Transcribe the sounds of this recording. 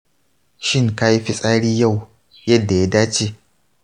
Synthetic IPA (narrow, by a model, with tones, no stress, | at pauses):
ʃɪ˦ŋka˦ji˦ɸi˦sʼaː˦ɽiː˦ja˦˨w | jɐ˦dːa˨ja˦daː˦t͡ʃeː˦